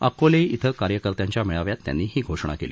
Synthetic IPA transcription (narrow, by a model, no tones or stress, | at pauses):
ə̰koleit̪ʰəkaɾjəkəɾt̪jaɲt͡ɕjamiɭaʋjat̪ːja̰nːiːɦiːɡʱoʂɳ̃a̰keliː